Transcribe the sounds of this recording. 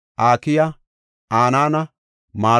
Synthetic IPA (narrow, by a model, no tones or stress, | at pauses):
ʔaːkɪjɐ | aːnaːnɐ | maː